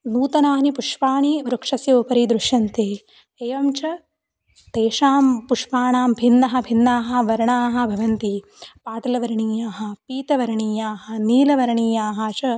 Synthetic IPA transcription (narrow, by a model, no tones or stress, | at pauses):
nuːt̪ɐnaːnipuʂpaːɳiʋɾukʂɐsjɐupɐɾiːd̪ɾuʃjɐnt̪eː | eːʋɐmt͡ʃɐ | t̪eːʂaːmpuʂpaːɳaːmbʱinːɐɦɐ̆bʱinːaːɦɐ̆ʋɐɾɐɳaːɦɐ̆bʱɐʋɐnt̪i | paːt̪ɐlɐʋɐɾɐɳiːjaːɦɐ̆piːt̪ɐʋɐɾɐɳiːjaːɦɐ̆niːlɐʋɐɾɐɳiːjaːɦɐt͡ʃɐ